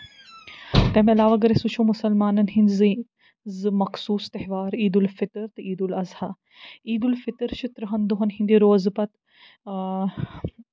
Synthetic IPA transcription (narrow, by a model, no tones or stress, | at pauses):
t̪ɛːmeɐlaːʋaɡɐɾesũt͡ʃʰoːmʊsɐlmaːnɐnɦinzi | zɨmɐksuːst̪ɐɦʋaːɾiːd̪ulfɪt̪ɾt̪ɨiːd̪ulɐzha | iːd̪ulfɪt̪ɾt͡ʃʰit̪ɾɐɦɐnd̪oɦɐnɦĩnd̪iɾoːzpɐt̪